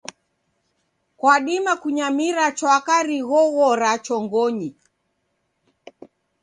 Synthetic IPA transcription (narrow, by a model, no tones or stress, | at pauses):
kwaɗimakuɲamiɾat͡ʃwakaɾiɣɔɣɔɾat͡ʃɔŋɡɔɲi